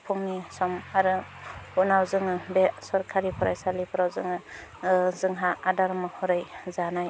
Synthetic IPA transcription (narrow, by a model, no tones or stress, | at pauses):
pʰuŋnisɔmaɾɯhunawzɯŋɯbesɔɾkʰaɾipʰɔɾa̰jsalipʰɔɾawzɯŋɯ | zɯŋɦaadaɾmɯhɔɾajzanaj